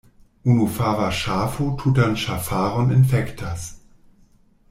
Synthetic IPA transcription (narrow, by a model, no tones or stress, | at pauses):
ʔunufaːvaʃaːfotʰuːtanʃafaːʁɔnɪnfɛktʰas